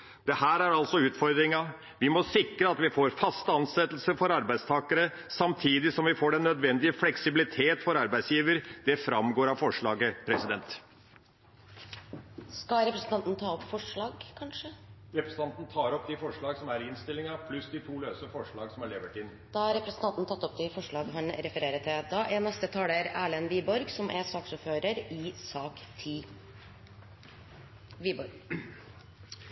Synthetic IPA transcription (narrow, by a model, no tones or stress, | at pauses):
d̪̥ɛhæːɾæɾɑlsɔʉːt̪fɔɾd̪ɾɪŋɑ | ʋɪmɔsɪkɾəɑt̪ʋɪfoːɾfɑst̪ɑnsɛt̪ːl̩səfɔɾɑɾbæɪd̪st̪ʰɑːkəɾə | sɑmt̪ʰiːd̪ɪsɔmʋɪfoːɖɛnːœd̪ʋɛnd̪ɪəflɛksɪbɪlɪt̪ʰeːt̪fɔɾɑɾbæɪd̪sjiːʋəɾd̪̥ɛfɾɑmɡoːɾɑʋfɔʂɭɑːɡəpʰɾɛsɪd̪ɛnt̪ | skɑɾɛpɾəsən̩ɑnt̪nət̪ʰɑːɔpfɔʂɭɑːɡkʰɑnʂəɾɛpɾɛsn̩t̪ɑnt̪n̩t̪ʰɑːɾɔpːd̪ifɔʂɭɑːɡsɔmæɾɪnst̪ɪlɪŋəpʰlʉsd̪ɪt̪ʰuːløːsəfɔʂɭɑːɡsɔmɑɭɛʋəʈɪnː | d̪̥ɑhɑɾɛpɾəsnt̪ɑnt̪nət̪ʰɑt̪ːɔp̚d̪ɪfɔʂɭɑːɡɦɑɳɾɛfəɾeːɾət̪ʰːɪd̪ɑːʔɛnɛst̪ət̪ʰɑːləɾæːɭənʋiːbɔɾɡsɔmʔɛsɑːksɔfhøːɾəɾɪsɑːkt̪ʰiː | ʋiːbɔɾɡ